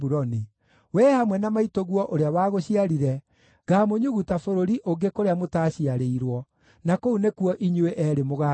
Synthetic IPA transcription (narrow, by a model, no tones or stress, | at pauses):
buɾɔni | wɛːhamwɛnamaitoɣwɔʔoɾeawaːɣoɕiaɾiɾɛ | ɣaːmoɲuɣutafoɾoɾiʔoŋɡekoɾeamotaːɕiaɾeiɾwɔ | nakounekuɔʔiɲueʔɛɾemoɣa